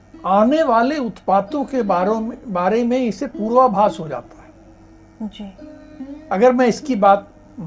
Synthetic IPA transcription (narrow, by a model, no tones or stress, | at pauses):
aːneʋaːleʊt̪paːt̪õkebaːɾemẽɪsepuːɾʋabʱaːsɦod͡ʒa̰ːt̪ḁɦɛː | ɐɡəɾmɛ̃ɪskibaːt̪̚